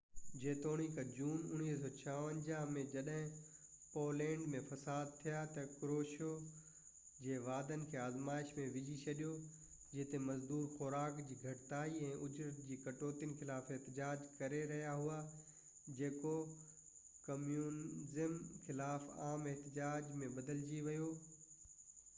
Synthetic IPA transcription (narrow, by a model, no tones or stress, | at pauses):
d͡ʑeːt̪oːɽ̃ikad͡ʑuːnʊñiːɦsɔːt͡ɕʰaʋə̃ɲd͡ʑãmẽd͡ʑɐɗɦɪ̃ | poːlɛ̃ːɳɖmẽfɐsaːd̪̚t̪ʰijat̪ɐkɾoːʃo | d͡ʑeːʋaːd̪ənɪ̆kʰeːaːzmaːɪʃmẽʋɪd͡ʑit͡ɕʰɐɗijo | d͡ʑɪt̪emɐzd̪uːɾxʊɾaːkd͡ʑiːɡʱɐʈɪt̪aːiɛ̃ːʔʊd͡ʑɾət̪̚d͡ʑiːkɐʈoːt̪jənɪxɪlaːfɪɦt̪ɪd͡ʑaːd͡ʑkɐɾeɾɐɦijaɦua | d͡ʑeːko | kɐmjuːnzəmxɪlaːfaːmeɦt̪ɪd͡ʑaːd͡ʑmẽbɐd̪əld͡ʑiʋɐjo